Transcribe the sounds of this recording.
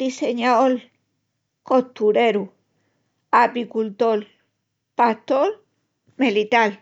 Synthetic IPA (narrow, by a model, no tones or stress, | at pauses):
d̪iseɲaol | kot̪uɾeɾu | apikult̪ol | pat̪ol | melit̪al